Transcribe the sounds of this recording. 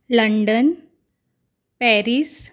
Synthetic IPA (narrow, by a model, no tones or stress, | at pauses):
ləɳɖən | pɛɾis